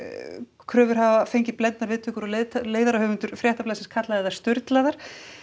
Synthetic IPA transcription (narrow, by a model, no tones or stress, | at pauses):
kʰɾœːvʏɾ̥ɦavafejɲcɪɾplɛnt̪naɾvɪðt̪ʰʏːkʏɾɔleleːjðaɾahœːɣvʏnt̪ʏɾ̥fɾjɛht̪aplasɛnskʰat̪laðɛðḁst̪ʏɾt̪laðaɾ̥